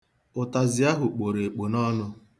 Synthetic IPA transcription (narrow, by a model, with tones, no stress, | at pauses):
ʊ˨ta˨zɪ˨a˦ɦʊ˨k͡po˨ɾe˨e˨k͡po˨nɔ˦nʊ˦